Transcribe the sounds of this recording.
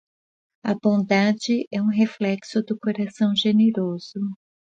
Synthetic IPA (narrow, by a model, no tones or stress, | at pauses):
ɐbõd̪ad͡ʒɪʔɛũɦeflɛksʊd̪ʊkoɾasɐ̃w̃ʒeneɾoz̥ʊ